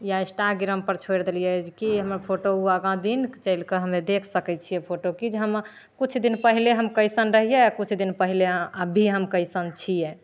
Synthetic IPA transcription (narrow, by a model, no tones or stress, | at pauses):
jaesʈaɡiɾəmpəɾt͡ʃʰoɾd̪elijɛd͡ʒkiɦəməɾpʰoʈouəɡãd̪inkt͡ʃəɪlkeɦəmed̪ekʰsəkɛt͡ʃʰijɛpʰoʈokid͡ʒeɦəm | kut͡ʃʰd̪inpəɦileɦəmkəɪsənɾəɦijɛakut͡ʃʰd̪inpəɦileəbʱiɦəmkəɪsənt͡ʃʰijɛ